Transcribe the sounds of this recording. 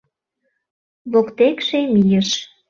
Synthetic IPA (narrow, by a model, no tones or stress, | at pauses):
βokt̪ekʃemijəʃ